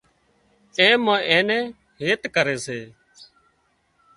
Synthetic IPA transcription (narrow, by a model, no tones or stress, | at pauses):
ẽːmãːʔẽːnɛ̃ː | ɦeːt̪kəɾeːseː